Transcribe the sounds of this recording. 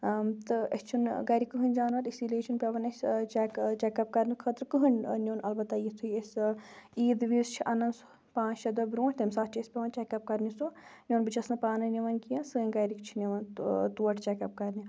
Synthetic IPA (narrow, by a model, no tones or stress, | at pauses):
t̪ɨɐt͡ʃʰunɡɐːɾikːɨɦɨnʲd͡ʒaːnʋɐɾisileːt͡ʃʰunpʲeʋɐnɐsʲt͡ʃekt͡ʃekɐp̚kɐɾnikʰɐt̪ɾkɨɦɨnnʲoːnɐlbɐt̪ːaːjit̪ʰuiesiːd̪ʋizt͡ʃʰiʔɐnɐnso̥ | pãːnt͡ʃɐd̪ɐbɾũːt̪emʲsaːt̪t͡ʃʰispʲeʋɐnt͡ʃɛkɐp̚kɐɾnisunʲoːnbɨt͡ʃʰɐsɨpaːnɨnʲiʋɐnkijɐ̃sɨːĩnɡɐjɾikt͡ʃʰinʲiʋɐnt̪uɐʈt͡ʃekɐp̚kɐɾni